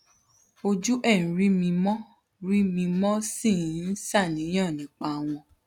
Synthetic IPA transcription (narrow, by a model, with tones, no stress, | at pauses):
o˧d͡ʒu˦ʔɛ˦˨ñ̩˨ɾi˦mĩ˧mɔ̃˦ | ɾi˦mĩ˧mɔ̃˦sĩ˦˨˦n̩˦sa˦˨nĩ˨˦j̃ã˦˨nĩ˨˦k͡pa˧w̃ɔ̃˧